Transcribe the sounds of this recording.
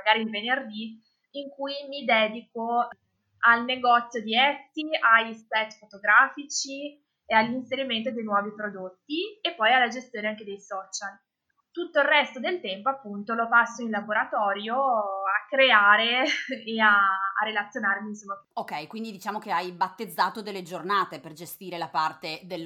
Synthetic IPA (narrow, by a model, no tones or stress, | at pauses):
maɡaːɾilvenerd̪i | iŋkujmid̪ɛːd̪iko | alneɡɔt̪sːjod̪iɛt̪ːiaʎspɛt̪ːfot̪oɡɾaːfit͡ʃi | ealːinseɾiment̪od̪ejnwɔːvipɾod̪ot̪ːiepːɔjalːad͡ʒest̪joːneaŋked̪ejsɔt͡ʃal | t̪ut̪ːoilrɛst̪od̪elt̪ɛmpoapːunt̪olopasːoinlaboɾat̪ɔːɾjoakːɾeaːɾeː | a̰ːrːelat̪sːjonarminsomːaokːɛjkwind̪id̪it͡ʃaːmokeajbat̪ːed̪zːaːt̪od̪elːed͡ʒornaːt̪eperd͡ʒest̪iːɾelapart̪ed̪el